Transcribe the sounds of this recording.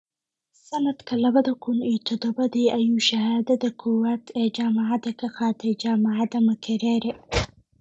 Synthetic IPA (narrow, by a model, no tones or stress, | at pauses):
sɐnɐd̪kʰɐlɐβɐðɐkʰʊniːt̪ʰɔd̪ɔbɐd̪iːʔɐjuːʃɐhaːd̪ɐd̪ɐkʰʊwat̪ʰɛːd͡ʒaːmɪʕad̪ɐkʰɐxaːt̪ʰɛd͡ʒaːmaʕad̪ɐmɐkʰɐɾɛːɾɛ